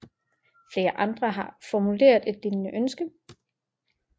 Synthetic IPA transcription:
fle̝ːɐʔɑ̈nd̥ʁɐɦɑ̈fɒmule̝̰ːɐðˠe̝d̥ːinəʔønsɡ̥ə

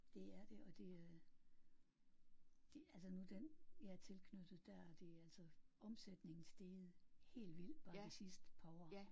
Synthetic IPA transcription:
d̥e̝æɐd̥e̝ɒ̽d̥e̝ | d̥e̝ælsənud̥enjɑæɐt͡sʰe̝lkʰnød̥ð̞̩ˠd̥æɐ̰ɒd̥e̝ææl̰sɒɒ̽msed̥ne̝ŋn̩sd̥e̝ːð̩ˠhe̝̰ːldʋil̰d̥ʋɑ̈ːisisd̥pʰɒ

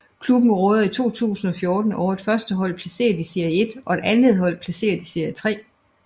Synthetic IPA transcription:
kʰlub̥n̩ʁɔ̽ːðˠɐit͡sʰo̝̰ːt͡sʰṵːsn̩ɒ̽fjo̝ːd̥n̩ɒʊ̰ɐe̝d̥fɶɐsd̥əɦɒ̽l̰pʰlæse̝̰ːɐd̥ise̝ɐje̝d̥ʔɒ̽e̝d̥ænð̩ˠɦɒ̽l̰pʰlæse̝̰ːɐðd̥ise̝ɐ̰jət͡sʰʁɛ̰ː

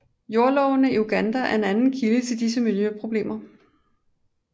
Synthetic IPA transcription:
jo̝ɐlɒʊnəiuɡ̥ænd̥ææɐe̝nænn̩kʰilət͡sʰe̝ld̥is̬əmiljøpʰʁo̝b̥le̝̰ːmɐ

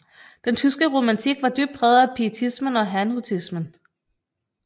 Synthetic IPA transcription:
d̥ent͡sʰysɡ̥əʁo̝mænt͡sʰiɡ̥ʋɑ̈d̥yb̥̚d̥̚bʁɛːðˠɐæpʰiət͡sʰismənɒ̽ɦænut͡sʰismən

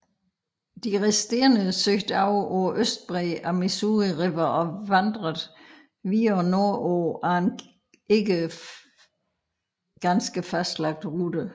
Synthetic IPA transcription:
d̥iʁɛsd̥e̝ɐnəsøɡ̥d̥ɑʊɒʊɐʔøsd̥̚b̥ʁɛːæmisuʁiʁebɐɒ̽ʋɑnd̥ʁəðˠ | ʋiːɒno̝ɐʔɔːæen | e̝ɡə | ɡ̥ænsɡ̥əfæsd̥lɑ̈ɡ̥̚d̥ʁud̥ə

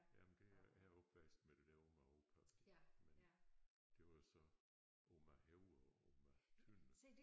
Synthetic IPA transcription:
jæmnd̥e̝ææɒ̽b̥ʋæsd̥med̥e̝d̥æɐo̝mæokʰɑsd̥men | d̥e̝ʋɑ̈jo̝sɒ̽ | ʔomæɦeʊɒomæt͡sʰøn̰

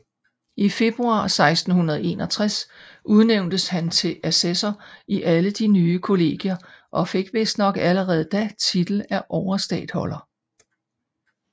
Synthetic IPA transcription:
ife̝b̥ʁuɑ̰̈ːsɑ̈ɪsd̥n̩hunɐð̞̩ˠe̝ːnɒ̽t͡sʰʁasʔuð̞ˠneʊ̰nd̥əshænt͡sʰe̝ʔæsesɐiʔæləd̥inyːəkʰo̝le̝̰ːɡ̥iɐʔɒ̽fe̝ɡ̥ʋe̝sd̥nɒ̽ɡ̥æləʁɛːð̞̩ˠd̥æt͡sʰid̥l̩æʔɒʊɐsd̥ɛ̰ːd̥hɒ̽lɐ

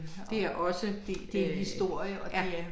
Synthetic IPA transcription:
d̥e̝æɐʔɒ̽səd̥e̝d̥e̝hisd̥o̝ɐ̰jəɒææ

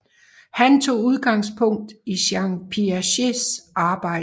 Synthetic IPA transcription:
hænt͡sʰo̝̰ːuð̞ˠɡ̥ɑ̈ŋspʰɔ̽ŋ̰d̥iɕɑ̈ŋpʰiæɕe̝sʔɑ̈ːb̥ɑ̈ɪ̰

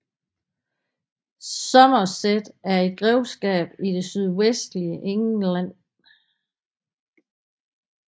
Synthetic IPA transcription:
sɒ̽mɐsed̥æɐe̝d̥̚ɡ̥ʁɛʊsɡ̥ɛ̰ːb̥id̥e̝syð̞ˠwesd̥liəʔeŋlæn̰

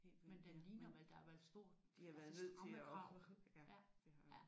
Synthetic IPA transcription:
he̝̰lmend̥enliːnɐmeld̥ɑ̈æʋæɐðˠsd̥o̝ɐ̰d̥d̥ihɑ̈ʋæːɐðˠne̝ð̰ˠʰe̝ɒs | d̥e̝hɑ

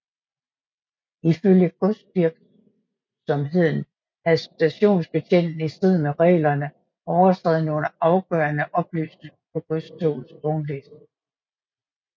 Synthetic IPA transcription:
iføljəɡ̥ɔsd̥ʋiɐɡ̥ | sɒ̽mɦe̝ð̞̰ˠn̩ | æðˠsd̥æɕo̝̰ːnsb̥e̝ɕʰen̰d̥n̩əiseð̞̰ˠmeʁɛ̰ːlɐnə | ʔɒʊɐt͡sʰʁɛ̰ːð̞̩ˠnəonɐʔɑ̈ʊɡ̥œ̰ːɐnəʔɒ̽b̥ly̰ːsne̝ŋɐpʰɒ̽ɡ̥ɔsdʰoːn̩sb̥ɔnlesd̥

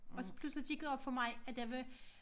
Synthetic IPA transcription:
ɒ̽sɒ̥pʰluslid̥iɡ̥eðˠɒb̥fɒ̽mɑ̈ɪæd̥jɑʋe

